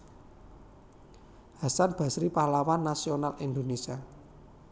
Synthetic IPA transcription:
ha̤sanb̥ä̤sɾipahlawanːasionalʔind̪onesia

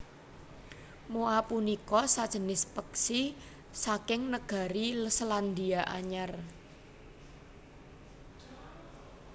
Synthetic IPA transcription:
moapunikɔsad̥ʒ̥ə̤nɪspəksi | sakɪŋnəɡ̥a̤ɾiləsland̪iaʔa̰ɲar

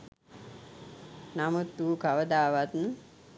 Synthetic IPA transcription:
namut̪ːuːkaʋəd̪aːʋat̪n

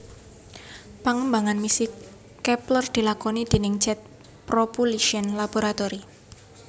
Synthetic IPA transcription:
paŋəmbaŋanmisɪkː | ɛplərd̪̥i̤lakɔnid̪̥e̤nɪŋt͡ʃɛt̪̚ | pɾopuliʃiənlab̥oɾat̪ɔɾi

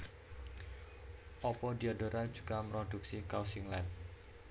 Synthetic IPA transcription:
ʔɔpɔdiadoɾad͡ʒuɡ̥amɾɔd̥uksikawsiŋlan̚

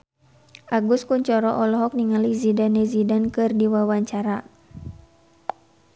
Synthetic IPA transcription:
ʔaɡuskuɲt͡ʃɔɾɔʔɔlɔɦɔk̚niŋalizidanɛzidankɨrdiwawaɲt͡ʃaɾa

